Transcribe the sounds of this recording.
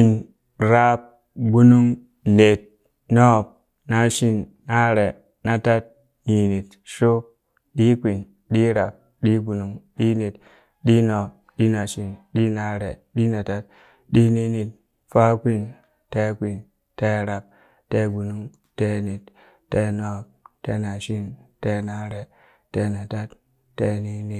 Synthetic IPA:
i˦n | ɾa˦p̚ | ɡu˦nu˦ŋ | ne˨t̚ | no˦˨p̚ | na˦ʃi˦n | na˦ɾe˨ | na˨ta˦t̚ | ni˨ni˨t̚ | ʃo˦ | ɗi˦kʷi˨n | ɗi˦ɾa˨p̚ | ɗi˦ɡu˨nu˦ŋɗi˦ne˨t | ɗi˦no˨p̚ | ɗi˦na˨ʃi˨nɗi˦na˦ɾe˨ɗi˦na˨ta˦t̚ | ɗi˦ni˦ni˨t̚ | fa˦kʷi˦n | te˦kʷi˨n | te˦ɾa˨p̚ | te˦ɡu˨nu˦ŋ | te˦ni˨t | tːe˦no˦k̚te˦na˨ʃi˦nte˦na˦ɾe˨ | te˦na˨ta˦t | tːe˦ni˦ni˨

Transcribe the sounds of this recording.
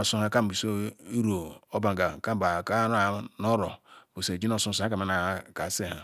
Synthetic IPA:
o˨su˦ha˨ka˦m˨i˨so˦i˦ɾo˨o˦ba˨ŋ˨ɡa˨ka˦˨ba˨kɾa˨˦no˦ɾo˨bo˨se˨d͡ʒi˦no˦˨sũ˦su˨˦a˦ka˨ma˨˦na˨˦ka˨se˦ha̰˨

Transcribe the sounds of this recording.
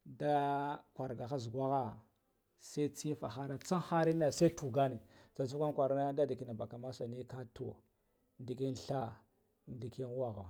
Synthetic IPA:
da˦kʷa˨ɾɡa˨xa˦zɡwa˦ɣa˦ | sa˦i˦t͡si˦fa̰˨xa˦ɾa˦t͡sa˦xa˦ɾi˦na˨sa˦tu˨ɡa˦ni˨d͡za˨t͡su˦kʷa˦nkʷa˨ɾna˦da˦di˨ki˨na˨ba˨ka˨ma˦sa˨ni˦ka˦to˨ | ndi˨ki˦nɬa˦ | ndi˨ki˦n˦wa˦ɣa˨

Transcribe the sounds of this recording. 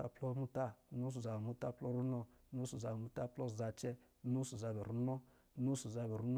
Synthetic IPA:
a̰˨plɔ˦mu˦ta˦˨nu˦s̬u˨za˨bmu˦ta˦plɔ˦ɾu˦nɔ˦nu˦su˨za˨bmu˦ta˦plɔ˦˨za˧t͡ʃɛ˦ | nu˦su˨za˨bɛ˨ɾu˦nɔ˦ | nu˦su˨za˧bɛ˨ɾu˦n˦

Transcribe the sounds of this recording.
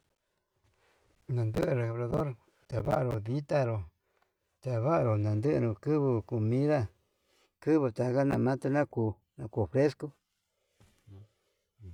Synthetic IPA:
nã˨˧nd̪ɨ˦ʔɨ˧ɾe˨ka˨βɾa˧ðo˦ɾ | t̪a˨βa̰˦ʔa˧ɾo˧ði˦t̪a˧ɾo˨ | t̪a˨βa˦ʔa˧ɾo˨nã˨nd̪ɨ̰˦˧ɾũ˧kɨ˦βɨ˧ku˧mĩ˦ða˦ | kɨ˦βɨ˧t̪a˨ka˦nã˧˨mã˦t̪a˧nã˦kuː˧˨ | nã˧ku˧˨fɾe˦sku˦˨

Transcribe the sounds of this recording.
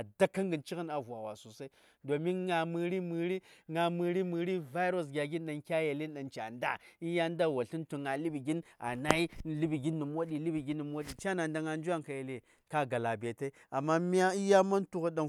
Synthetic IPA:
a˨da˦kːa˦ŋɡɨ˨nt͡ʃi˦ɣə˦na˨vu˨a˨wa˨su˨sa˦i˦ | do˨mi˦nŋa˨mɨ˨ɾi˦mɨ˨ɾi˦ŋa˨mɨ˨ɾi˦mɨ˨ɾi˦va˦ɾo˨s̬ɡʲa˨ɡi˦nɗa˨nkʲa˦je˨li˦nɗa˨nt͡ʃa˨nda˦i˦ja˦nda˦˨wa˨ɬi˦ntu˨ŋa˨li˦bi˨ɡi˦na̰˨na˦i˦˨li˦bi˨ɡi˦nːu˨mwo˦ɗi˨li˦bi˨ɡi˦nːi˨m˦wo˦ɗi˨t͡ʃa˦na˨nda˨ŋa˨nd͡ʒu˦a˦ŋka˨je˨le˦ | ka˦ɡa˨la˨be˨te˦i˦a˨mːa˦mi˦a˦i˦ja˦ma˦ntu˦ɣu˦ɗa˨n

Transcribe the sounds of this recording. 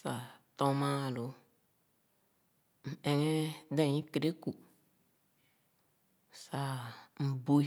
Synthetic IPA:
sa˨tɔ˦ma˦˨lo˨ | n̩˨ɛ˨ŋe˦dɛ˨ɲĩ˦ke˨ɾe˦ku˨ | sa˨m̩˨bo˦

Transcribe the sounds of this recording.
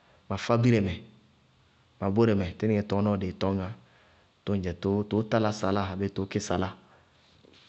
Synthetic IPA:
ma˨fa˦bi˦ɾɛ˨mɛ˨ | ma˨bo˦ɾɛ˨mɛ˨tɪ˦nɪ˦ɛ˨tɔ˨˦nɔ˦˨de˨tɔ˦ŋã˨ | tʊ˦n˦d͡ʒɛ˨to˦to˨˦ta˦la˦sa˨la˦a˨be˦to˨˦kɪ˦sa˨la˦

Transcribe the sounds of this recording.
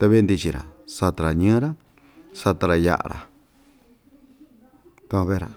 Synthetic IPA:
t̪e˧βe˦nd̪i˧t͡ʃi˧ɾa̰˨sa˧t̪a˧ɾa˨ɲɨ̃ː˦ɾa˦ | sa˧t̪a˧ɾa˧ja̰˧ʔa̰˧ɾa̰˨ | t̪a˧ã˧βe˦ɾa̰˨

